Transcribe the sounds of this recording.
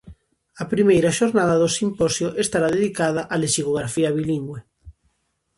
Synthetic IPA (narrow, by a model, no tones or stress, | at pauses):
ɐpɾimejɾɐʃoɾnaðɐðosimpɔsjoʔest̪aɾaðeðikaðɐʔalesiɣoɣɾafiɐβiliŋɡwe